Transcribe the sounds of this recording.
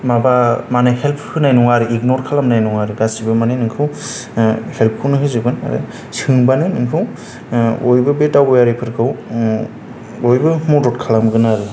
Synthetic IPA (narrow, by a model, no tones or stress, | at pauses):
mabamanɯhɛlpʰhɯnajnuŋaɾɯiknɔɾkʰalamnajnuŋaɾɯɡasibɯmanenɯŋkʰɯw | help̚ʰkʰɯnɯɦɯzɯɡɯna̰ɾɯ̰ | sɯŋbanɯnɯŋkʰɯw | ojbɯbetawbɔjaɾipʰɯɾkʰɯw | ojbɯmɔdɔt̚kʰalamɡɯnaɾɯ